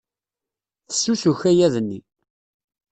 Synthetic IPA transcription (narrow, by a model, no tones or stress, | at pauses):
θə̥sːusuçæjæðənːi